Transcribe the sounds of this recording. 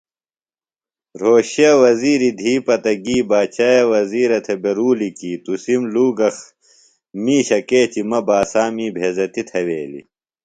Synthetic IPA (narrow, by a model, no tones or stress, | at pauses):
ɾoːɕjɐwɐziːɾid̪ʱiːpɐt̪ɐɡiːbaːt͡ɕaːjɐwɐziːɾɐt̪ʰebeɾuːlikiːt̪usimluːɡɐx | miːɕɐkeːt͡ɕimɐbaːsaːmiːbʱeːzɐt̪it̪ʰɐweːlḭ